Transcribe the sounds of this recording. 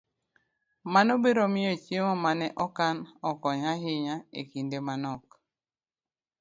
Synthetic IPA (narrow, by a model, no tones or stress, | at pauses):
manobeɾɔmiot͡ʃeŋɔmanɛʔɔkanɔkɔɲaɦɪɲaḛkindemanɔk̚